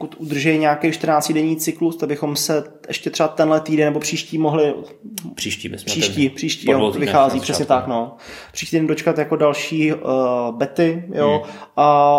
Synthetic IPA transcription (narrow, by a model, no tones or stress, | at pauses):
pokut̪ʔud̪r̩ʒɛjɲaːkejʃt̪r̩naːt͡scɪdɛɲiːt͡sɪklust̪aɡ̚bɪxo̞msɛ | ʔɛʃcɛt̪r̥ɛbat̪ɛnlɛt̪iːdɛnːɛbopr̥iːʃciːmoɦlɪ̥ | i̥iːʃciːpr̥iːʃciːjoovɪxaːziːpr̥ɛsɲɛt̪akno | pr̥iʃcit̪ːidɛndot͡ʃkat̪jako̞dalʃiː | bɛt̪ɪjoʔa